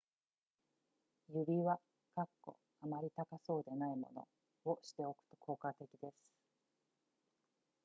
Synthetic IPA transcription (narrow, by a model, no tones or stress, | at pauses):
jɯbʲiβa | kakːo̞̰ | amaɾʲit̪akaso̞ːd̪e̞naimo̞̰no̞̰ | oɕi̥t̪e̞o̞kɯ̟̥t̪o̞̥kʰo̞ːkat̪e̞kʲid̪e̞sɨ̥